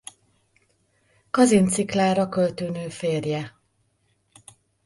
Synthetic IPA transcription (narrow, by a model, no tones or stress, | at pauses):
kɒzint̪siklaːɾɒkølt̪øːnøːfeːrjɛ